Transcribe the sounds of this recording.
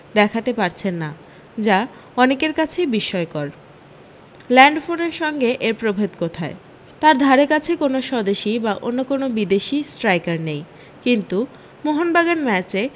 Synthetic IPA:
d̪ɛkʰat̪epaɾt͡ɕʰenːa | d͡ʑa | ɔnekeɾkat͡ɕʰejbiʃːɔekɔɾ | lɛɳɖfoneɾʃɔŋɡeʔeɾpɾobʱed̪kot̪ʰae | t̪aɾd̪ʱaɾekat͡ɕʰekonoʃɔd̪eʃibaʔonːokonobid̪eʃisʈɾajkaɾnej | kint̪u | moɦonbaɡanmɛt͡ɕe

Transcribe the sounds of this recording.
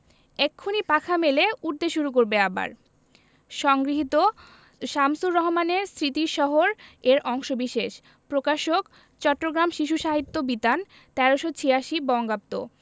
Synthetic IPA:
ɛkʰːonipakʰameleuɾd̪eʃuɾuk̬oɾbeaba̰ɾ | ʃɔŋɡɾiɦit̪o | ʃamsuɾːɔɦomaneɾsɾit̪iɾʃɔɦoɾeɾʔɔŋʃobiʃeʃ | pɾokaʃok | t͡ɕɔʈːoɡɾamʃiʃ̬uʃaɦit̪ːobit̪an | t̪ɛɾoʃot͡ɕʰejaʃibɔŋɡap̚t̪o̰

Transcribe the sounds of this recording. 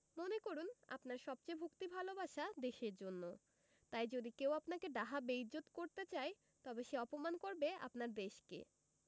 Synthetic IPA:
monekoɾuna̰pnaɾʃɔb̚t͡ɕajbʱukt̪ibʱalobaʃad̪eʃeɾd͡ʑonːo | t̪ajd͡ʑod̪ikewapnakeɖaɦabejd͡ʑot̪koɾt̪et͡ɕae | t̪ɔbeʃeɔpomankoɾbea̰pnaɾd̪eʃkḛ

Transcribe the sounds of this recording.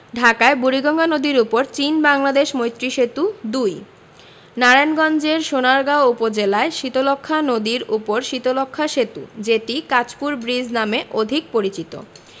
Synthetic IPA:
ɖʱakaebuɾiɡɔŋɡanod̪iɾupoɾt͡ɕinbaŋlad̪eʃmojt̪ːɾiʃet̪ud̪uj | naɾanɡɔnd͡ʑeɾʃonaɾɡaoupod͡ʑelaeʃit̪olokʰːanod̪iɾupoɾʃit̪olokʰːaʃet̪ud͡ʑeʈikat͡ɕpuɾbɾid͡ʑnameʔod̪ʱik̚poɾit͡ɕit̪o̰

